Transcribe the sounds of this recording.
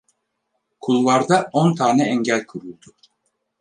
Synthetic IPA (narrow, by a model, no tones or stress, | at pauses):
kʰulˠvˠaɾd̪aont̪ʰaːnɛɛɲɟælʲkʰuɾulˠd̪u